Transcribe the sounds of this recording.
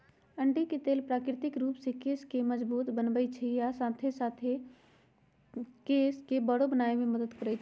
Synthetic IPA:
əɳɖiket̪eːlpɾaːkɾɪt̪ɪkɾuːpsekeːskeməd͡ʒbuːt̪bənbəjt͡ʃʰijasaːt̪ʰesaːt̪ʰe | keːskebəɽobənaːemẽməd̪əd̪kəɾət͡ʃʰ

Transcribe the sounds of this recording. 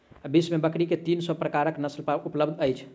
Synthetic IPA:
abismebəkɽiket̪insɔpɾəkaɾəknəslpaupləbd̪ʱəjt͡ʃʰ

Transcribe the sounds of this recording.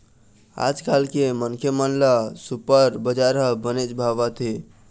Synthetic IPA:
a̰d͡ʒkalkemənkʰjemənlasupəɾbəd͡ʒaɾɦəbənet͡ʃbʱaβat̪ʰi

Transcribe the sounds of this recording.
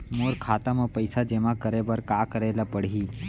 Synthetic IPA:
moːɾkʰaːt̪amə̃pəɪsad͡ʒemãkəɾebəɾkaːkəɾelapəɽ̤i

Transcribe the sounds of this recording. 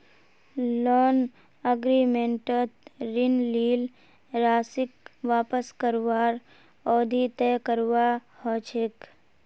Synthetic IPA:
lɔːn | əɡɾimẽɳʈət̪ɾɪnliːl | ɾaːsɪkʋaːpəskəɾwaːɾ | ɔːd̪ʱit̪ɛːkəɾwahɔːt͡ʃʰɪk

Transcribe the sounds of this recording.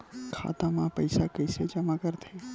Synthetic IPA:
kʰa̰t̪amãpəjsakəjsed͡ʒəmakəɾt̪ʰə

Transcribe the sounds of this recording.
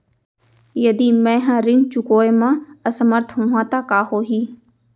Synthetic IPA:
jɐd̪imɛ̃ːɦãɾɪnt͡ʃʊkoːemãəsəməɾt̪ʰɦõːɦãːt̪akaːhoːɦiː

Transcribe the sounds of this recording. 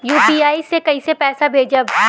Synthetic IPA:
juːpiːaːisekɐisepɛːsabʱeːd͡ʒaː

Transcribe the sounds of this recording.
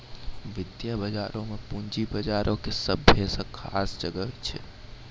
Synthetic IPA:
ʋɪd̪jabəd͡ʒaːɾõmepund͡ʒibəd͡ʒaːɾʔõkesəbːʱesə̃kʰaːsd͡ʒəɡəɦt͡ʃʰɛ̰

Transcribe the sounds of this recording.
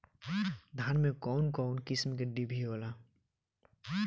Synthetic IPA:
d̪ʱaːnmẽkɔʊnkɔʊnkɪsmkeɖibʱiɦoːla

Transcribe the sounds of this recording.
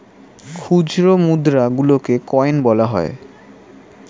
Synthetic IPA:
kʰud͡ʑɾomud̪ɾaɡulokekɔenbɔlaɦɔe

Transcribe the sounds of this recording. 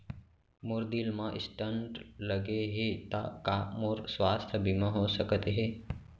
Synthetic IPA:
moɾd̪ilmãʔɪ̰sʈəɳʈləɡeɦet̪a̰kamoɾsʋaːst̪ʰəbimãɦosəkət̪ɦe

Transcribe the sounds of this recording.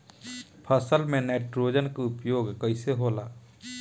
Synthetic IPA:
pʰəsəlmẽneːʈɾoːd͡ʒənkaʊpjoːɡkəɪseɦoːlaː

